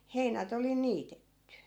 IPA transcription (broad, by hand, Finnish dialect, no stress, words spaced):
heinæt ol jo niːtetːy